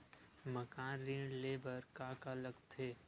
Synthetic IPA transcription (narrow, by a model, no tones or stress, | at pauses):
məkaːnɾĩleːbəɾkaːkaləɡt̪ʰeː